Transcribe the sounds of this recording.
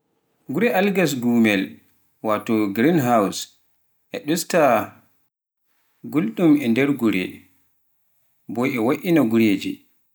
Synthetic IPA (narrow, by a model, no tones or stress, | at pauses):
ɡuɾɛʔalɡas̬ɡumɛl | watɔɡɾinɦaws | ʔɛɗusta | ɡulɗumɛndɛɾɡuɾɛ̰ | bɔjɛwaʔinaɡuɾeːd͡ʒi